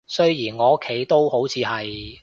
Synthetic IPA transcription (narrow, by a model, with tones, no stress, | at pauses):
sɵ˥ɥjiː˨˩nŋɔː˨˧˥kʰːe˨˥jt̪o˥who˨˥wt͡sʰiː˨˧hɐ˨j